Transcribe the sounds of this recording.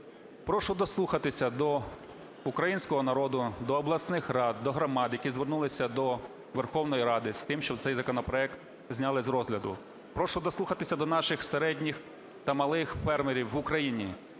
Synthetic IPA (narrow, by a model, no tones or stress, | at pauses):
pɾɔʃʊd̪ɔslˠuxɐt̪ɪsʲɐd̪ɔ | ukɾɐjinʲsʲkɔɦɔnɐɾɔd̪ʊd̪ɔːblˠɐsnɪxrɑd̪̚ːɔɦɾɔmɑd̪jɐkʲizʋernulˠɪsʲɐd̪ɔ | ʋerxɔwnɔjiɾɑd̪ɪst̪ɪmʃt͡ʃɔbtsɛjzɐkɔnɔpɾɔɛkt̪ | zʲnʲalˠɪzɾɔzʲlʲɐd̪ʊ̰ | pɾɔʃʊd̪ɔslˠuxɐt̪ɪsʲɐd̪ɔnɑʃɪxseɾɛdʲnʲix | t̪ɐmɐlˠɪxfɛrmeɾʲiwːʊkɾɐjinʲi